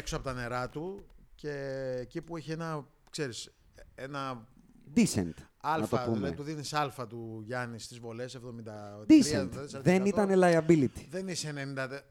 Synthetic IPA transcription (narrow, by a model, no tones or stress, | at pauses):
eksoɐpo̞t̪ɐne̞ɾɐt̪uce̞ːcipueçie̞nɐ | kse̞ɾis | enɐd̪isḛnt̪ɐlnɐfoɐpumeḛt̪uðinisɐlfɐt̪uʝɐnist̪izvo̞le̞se̞vðo̞mind̪ɐd̪iset̪ɐðsðe̞nit̪ɐnelɐiɐbilit̪i̥ðeniseenenind̪ɐt̪e